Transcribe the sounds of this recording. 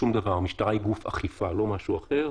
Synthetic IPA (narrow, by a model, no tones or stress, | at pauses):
umd̪avaʁmiʃtaʁajɡufa̰χifalo̞maʃuaχe̞ʁ